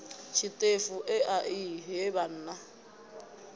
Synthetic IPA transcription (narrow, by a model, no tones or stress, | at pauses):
t͡ʃʰitʼefuʔɪʔaʔiɦeban̩ːna